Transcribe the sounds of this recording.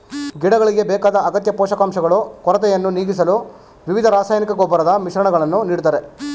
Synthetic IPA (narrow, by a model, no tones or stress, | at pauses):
ɡiɽɐɣɐɭiɡe̞bɛːkaːd̪ɐːɡɐt̪jɐpɔːʃɐkaːmʃɐɡɐɭukɔɾɐt̪̬ɛjɐnːuniːɡis̬ɐlu | ʋiʋid̪ʱɐɾaːsaːjnikɐɡoːbɐɾɐd̪ɐmiʃɾɐɳɐɡɐɭɐnːuniːɽut̪aːɾe